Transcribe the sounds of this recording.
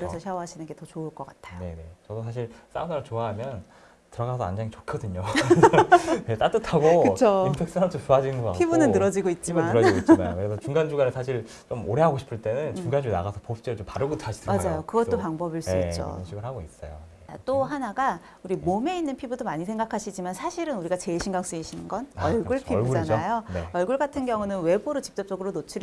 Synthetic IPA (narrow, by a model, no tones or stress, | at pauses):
kɯɾesʰʌɕʰeɦaɕʰinɯnɡe̞tʌt͡ɕoɯɭk͈ʌk͈atʰḁe̞ne̞̰t͡ɕʌdosʰaɕ̬ʰiɭs͈a̰naɾat͡ɕoaɦamjʌn | tɯɾʌɡasʰʌa̰nd͡ʑaŋit͡ɕokʰʌdɯɲo | net͈at͈ɯtʰaɡokɯt͡ɕʰoimpʰek̚s͈ɯɾat͡ɕʰot͡ɕoɦad͡ʑinɯnɡoa̰pʰibunɯnnɯɾʌd͡ʑiɡoit̚t͡ɕ͈imaɾʌd͡ʑiɡoitt͡ɕimanokɯɾesʰʌt͡ɕuŋɡand͡ʑuɡanɯsʰaɕʰiɭ | t͡ɕomoɾe̞ɦaɡoɕʰi̥pʰɯɭt͈e̞nɯnt͡ɕuŋɡand͡ʑuɡna̰ɡasʰʌpopt͡ɕ͈eɾot͡ɕompaɾɯɡoaɕidmad͡ʑajokɯɡʌtt͈opaŋbʌbiɭs͈t͡ɕk͈t͡ɕo̰ɯʌnɕʰiɡɯɭɦaɡois͈ʌ̰jo̰ | a̰t͈oɦanaɡa | uɾimome̞inːɯnpʰibudomaɲisʰeŋɡakʰaɕʰid͡ʑimansʰaɕʰiɾɯnuɾiɡat͡ɕe̞iɕʰiŋɡaŋs͈ɯiɕʰinɯnɡʌnʌɭɡuɭpʰiuɡd͡ʑanajonḛʌɭɡuɭɡatʰɯnɡjʌŋunɯnwe̞boɾot͡ɕi̥p̚t͡ɕ͈ʌp̚t͡ɕ͈ʌɡɯɾonot͡ɕʰuɾ